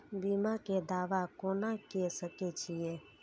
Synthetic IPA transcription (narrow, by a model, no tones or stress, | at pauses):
biːmaked̪aːʋakoːnakesəket͡ʃʰije